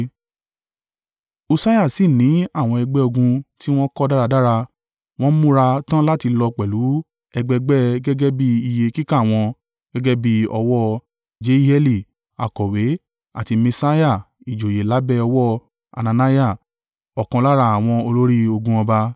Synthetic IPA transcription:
o˧sa˦ja˦˨si˨nĩ˨˦a˦˨w̃ɔ̃˧ɛ˧ɡ͡bɛ˦o˧ɡũ˧ti˦w̃ɔ̃˦kɔ˦da˦ɾa˧da˦ɾa˧ | w̃ɔ̃˦mũ˦ɾa˧tã˦la˦ti˧lɔ˧k͡pɛ˨lu˨˦ | ɛ˧ɡ͡bɛ˧ɡ͡bɛ˦ɡɛ˦ɡɛ˦bi˦i˧je˧ki˦ka˦˨w̃ɔ̃˧ | ɡ̥ɛ˦ɡɛ˦bi˦ɔ˧wɔ˦ | d͡ʒe˨˦i˦hɛ˦li˦˨ | a̰˨kɔ˨we˨˦ | a̰˨ti˧mẽ˧sa˦ja˦˨ | i˨d͡ʒo˨je˨la˨˦bɛ˦ɔ˧wɔ˦ | a̰˨nã˧na˦ja˦˨ | ɔ˨kɔ̃˧la˦ɾa˧a˨w̃ɔ̃˧o˧lo˦ɾi˦o˧ɡũ˧ɔ̃˧ba˧

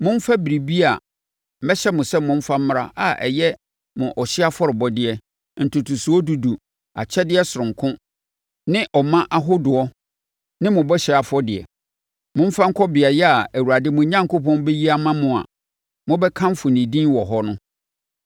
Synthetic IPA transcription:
mʊ̃˦m˦fa˦bi˨ɾi˨bi˦a˨ | m̩˨mɛ˦ɕɛ˦mʊ̃˨sɛ˦mʊ̃˦m̩˦fa˦m̩˦m˦ɾa˦ʔa˨ʔɛ̰˨jɛ˦ | mʊ̃˨ʔɔ˨ɕɪ˦a˦fɔ˦ɾɪ˨bɔ˦dɪ˦ɛ˨ | n̩˨tʰu˨tʰu˨su˨ɔ˦du˨du˨ | a̰˨t͡ɕʰɛ˦dɪ˦ɛ˦sʊ˨ɾʊ̃˨ŋ˨kʰʊ̃˦ | nɪ̃˦ʔɔ˨mã˦ʔa˦ɦʊ˦dʊ˨ɔ˦ | nɪ̃˦mʊ̃˨bɔ˦ɕɪ˦a˨fɔ˦dɪ˨ɛ̰˨ | mʊ̃˦m̩˦fã˦ŋ̩˦kʰɔ˦bɪ˨a˨jɛ˦a˨æ˨wu˨ɾa˨dɪ˦mʊ̃˨ɲã˦ŋ˨kʰo˦pʰɔ̃˦nbɛ˦ji˦a˦mã˦mʊ̃˨a̰˨ | mʊ̃˦bɛ˦kʰã˦m˦fʊ˨nĩ˨dĩ˦wɔ˨ɦɔ˦nʊ̃˦

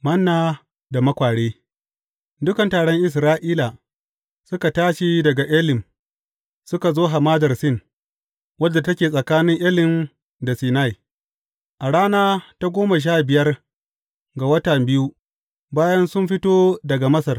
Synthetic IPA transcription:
mɐ˦nːaː˦ | da˨mɐ˦kʷaː˨ɽeː˦ | dʊ˦kɐ˨ntaː˨ɽɔ˦ŋʔɪ˨s̬ɾaː˦ʔiː˦la˨ | sʊ˦ka˨taː˦ʃi˦dɐ˨ɡa˨ʔɪ˦lɪ˨m | sʊ˦ka˨zoː˦ɦa˨maː˦dɐ˨rsɪ˦n | wɐ˦dːa˨tɐ˦kʲeː˨sʼɐ˨kaː˦nɪ˦ŋʔɪ˦lɪ˨n | da˨siː˨na˦˨j | ʔa˨ɽaː˦naː˦ta˦ɡʷoː˦ma˨ʃ̬aː˦bɪ˨jɐ˦r | ɡa˨wɐ˦tɐ˨mbɪ˦ju˦ | baː˦jɐ˦nsʊ˦mɸɪ˦toː˦dɐ˨ɡa˨mɐ˦sɐ˨r

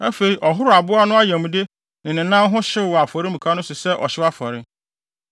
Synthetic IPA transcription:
æ˦fe˨ɾi˨ʔɔ˨ɦʊ˦ɾʊ˨a˨bʊ˦a˦nʊ̃˦a˦jæ̃˨m̃˨de˦ | nɪ̃˨nɪ̃˨nã˦m˦ɦʊ̃˦ɕɪ˦˨wa˨fɔ˨ɾɪ˦mũ˨kʰa˦nʊ̃˦sʊ˨sɛ˦ʔɔ̰˨ɕɪ˦wa˦fɔ˨ɾɪ˦

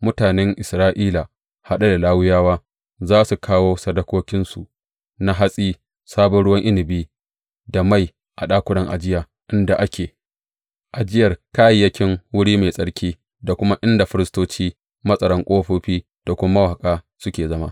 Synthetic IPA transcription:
mʊ˦taː˨nɛ˦ŋʔɪ˨sɾaː˦ʔiː˦la˨ | ha˦ɗa˦da˨laː˦wʊ˦jaː˦waː˦ | zaː˦su˨kʰaː˦woː˦sɐ˦dɐ˦kʷoː˦kʲɪ˦nsu˨ʔ | na˦ɦa˦sʼiː˦ | saː˦bɔ˦nɽʊ˦wɐ˦ŋʔɪ˦lɪ˨biː˦ | da˨ma˦j | ʔa˨ɗaː˦kʷʊ˦ɽɐ˦ŋʔa̰˨d͡ʒɪ˦jaː˨ | ʔɪ˦nda˨ʔa˦kʲeː˨ | ʔa˨d͡ʒɪ˦jɐ˨rkaː˦jjːɐ˦kʲɪ˦ŋwʊ˦ɽiː˦meː˨sʼɐ˦ɽkʲʰiː˦ | da˨kʷʊ˦ma˦ʔɪ˦nda˨ɸɪ˦ɾɪ˦stoː˦t͡ʃiː˦ | mɐ˦sʼɐ˨ɾɐ˦ŋkʷʼoː˦ɸoː˦ɸiː˦ | d̥a˨kʷʊ˦ma˦ma˦wa˨a˨kʼaː˦ | sʊ˦kʲeː˨zɐ˦ma̰˦

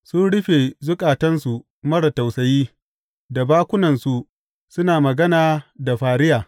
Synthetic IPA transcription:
sʊ˦nɽɪ˦ɸeː˨zʊ˦kʼaː˨tɐ˦nsu˨ | mɐ˦ɽɐ˨ta˨wsɐ˨jiː˦ | da˨baː˦kʷʊ˦nɐ˨nsu˨ | sʊ˦naː˨mɐ˨ɡɐ˦naː˨da˨ɸaː˨ɽɪ˦jaː˨

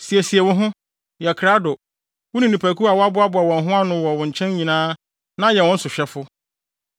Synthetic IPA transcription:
si˨ɛ˨si˨ɛ˨wʊ̃˦ɦʊ̃˦ | jɛ˨kʰɾa˦dʊ˨ | wʊ˦nĩ˨nĩ˨pʰæ˨kʰu˦a˨wɔ˦a˦bʊ˨˦a˦bʊ˨a˨wɔ̃˨nɦʊ̃˦a˦nʊ̃˦wɔ˨wʊ̃˨ɲ̩˨t͡ɕʰɛ̃˦ɲ˦ɲĩ˨nãː˦ | nã˦jɛ˨wɔ̃˦n̩˦sʊ˨ɕᶣɛ˦fʊ˦

